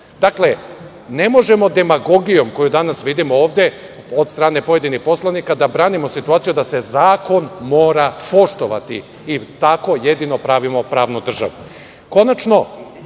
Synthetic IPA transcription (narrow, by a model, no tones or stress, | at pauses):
d̪akle̞ | ne̞mo̞ʒemo̞d̪e̞maɡo̞ɡijo̞mko̞jud̪anasʋid̪imooːʋd̪e̞ | od̪st̪ɾaːne̞po̞je̞d̪inixpo̞slˠanikad̪abɾaːnimo̞sit̪uaːt̪sijud̪ase̞zaːko̞nmo̞ːɾapo̞ʃt̪oʋa̰t̪ḭ | it̪ako̞jed̪ino̞pɾaːʋimo̞pɾaːʋnud̪r̩ʒa̰ʋu | ko̞nat͡ʃno̞